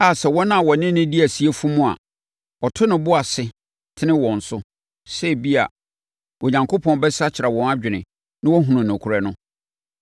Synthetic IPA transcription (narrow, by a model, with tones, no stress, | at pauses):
a˨sɛ˨wɔ̃˦nã˦˨wɔ˨nɪ̃˦nɪ̃˦di˦æ˨si˦e˦fu˦mũ˦a̰˨ | ɔ˨tʰʊ˦nɪ̃˨bʊ˦a˨sɪ˦ | tʰɪ˦nɪ̃˦wɔ̃˨n̩˨sʊ˦ | sɛ˦˨bi˦a̰˨ | wɔ˨ɲã˨ŋkʰo˦pʰɔ̃˨˦n˦bɛ˦sa˦t͡ɕʰɪ˨ɾa˨wɔ̃˨na˦d͡ʑᶣɪ˨nɪ̃˨ | nɪ̃˦wɔ˦ɦũ˨nʊ̃˨nʊ̃˨kʰʊ˨ɾɛ˨nʊ̃˦